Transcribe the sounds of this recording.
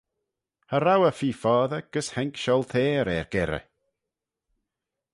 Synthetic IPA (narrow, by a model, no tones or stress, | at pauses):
haɾawəfiːfɔːðəɡ̥əshɛŋkʃɔlˠt̪ʰeːɾɛɹɡ̥ɛɾə̰